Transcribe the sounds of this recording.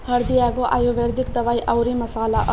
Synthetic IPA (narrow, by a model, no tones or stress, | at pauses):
hʌɾd̪ijakoʔa̰jobeɾd̪ʱikd̪əβaiʔawɾimɐsaːlaʔ